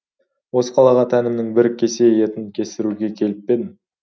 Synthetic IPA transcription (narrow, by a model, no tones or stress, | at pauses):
wo̞sə̥qʰɑlˠɑʁɑt̪ʰænɪmnɪŋbɪɾkʲʰːe̞se̞je̞t̪ɪnkʲʰe̞sɪɾuɡʲe̞kʲʰe̞lɪp̚ːe̞d̪ɪm